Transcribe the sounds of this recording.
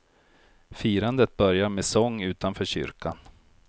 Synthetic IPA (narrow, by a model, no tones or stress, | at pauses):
fiːɾand̪ət̪̚bœɾjameːsɔŋːʉ̟ːt̪anfœːɕʏ̰ɾkan